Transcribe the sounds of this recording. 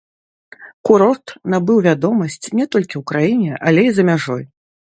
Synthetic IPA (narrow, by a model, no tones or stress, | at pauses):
kuɾɔrt̪nabɨwvʲad̪ɔmɐsʲt͡sʲnʲɛt̪ɔlʲkʲiwkɾajinʲɛʔalʲejizɐmʲaʐɔj